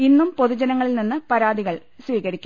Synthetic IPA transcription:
inːumpoðud͡ʑɐnɐŋːɐɭilninːɨpɐɾaːd̪iɣɐɭ | sʋiːɣɐɾikʲːu

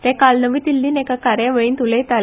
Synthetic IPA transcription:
t̪ɛ̃kalnəʋiːt̪ilːiːnekakaɾjaʋəɭiːnt̪ulet̪al

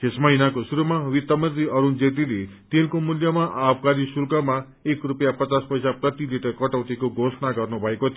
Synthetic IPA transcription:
t̪esmʌɦinakosuɾumawit̪ːʌmʌt̪ɾiʌɾund͡zet̪̬ilet̪elkomuljʌmaʔab̚kaɾisulkʌma | ekrupjapʌt͡saspʌjsaprʌt̪iliʈʌrkʌʈʌwt̪ikoɡʱosnaɡʌrnubʱʌeko

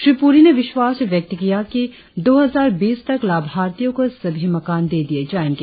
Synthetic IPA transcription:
ʃɾipuːɾineʋɪʃwaːsʋjɐk̚t̪kijaki | d̪oːɦɐzaːɾbiːst̪ɐklaːbʱaːɾt̪ijõkosɐbʱimɐkaːnd̪eːd̪ied͡ʒaːɪnke

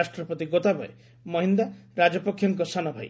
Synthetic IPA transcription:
asʈɾɔpɔt̪iɡot̪abɔ̰ḛ | mɔɦind̪aɾad͡ʒɔpɔkʰjɔŋkɔsanɔbʱaj

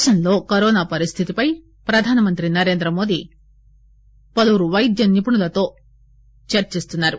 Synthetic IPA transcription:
ʃɐnlo̞ːkɐɾɔːnaːpɐɾist̪ʰit̪ipɐj | pɾɐd̪ʱaːnɐmɐnt̪ɾinɐɾe̞ːnd̪ɾɐmo̞ːd̪i | pɐluɾuʋɐjd̪jɐnipuɳulɐt̪o̞ː | t͡ʃɐɾt͡ʃist̪unːaːɾu

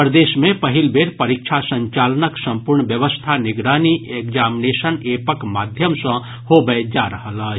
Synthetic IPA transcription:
pɾəd̪eːʃmẽpɐɦɪlbʱeːɾpɐɾikʃʰasə̃ɲt͡ʃaːlənəksə̃mpʊɾɳbjəʋəst̪ʰanɪɡɾaːniʔekzaːmineːsənepəkmaːd̪ʱjəmsə̃ | hoɡəd͡ʒaɾəɦələ

